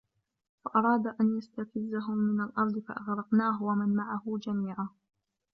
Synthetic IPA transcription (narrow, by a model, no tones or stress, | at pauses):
faʔɑɾˤɑːd̪ʔanjast̪afɪzːaɦʊmːɪnalʔɑɾˤd̪ˤɨfa̰ʔaɣɾɑqnaːɦwamanmaʕaɦʊd͡ʒamiːʕaː